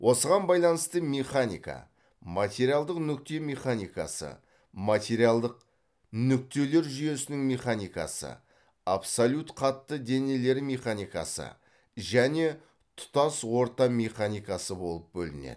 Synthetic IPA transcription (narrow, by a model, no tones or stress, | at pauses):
wʔo̞səʁɑnbɑjlˠɑnəst̪əmʲeχanḭkɑ̰ | mat̪ʲe̞ɾialˠd̪əqnʏk̚t̪e̞meχanijkɑ̰sə̰ | mat̪ʲe̞ɾialˠd̪əq̚ | nʏk̚t̪e̞le̞ɾʒʏje̞sɪnɪŋmeχanijkɑ̰sə̰ | apsolʲut̪qʰɑt̪ːəd̪e̞ne̞le̞ɾmʲeχanijkɑ̰sə̰ | ʒæne̞ | t̪ʰʊ̥t̪ɑswo̞ɾt̪ɑmʲeχanijkɑsəbo̞lˠəp̚bɵlɪ̰nḛd̪